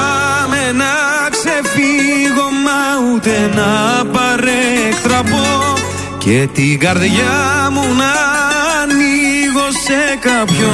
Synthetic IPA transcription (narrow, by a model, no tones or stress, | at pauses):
menɐ | ksefiɣo̞mːɐut̪enɐpɐɾekt̪ɾɐpo | cet̪iɣɐɾðʝamunɐ | niɣosekapço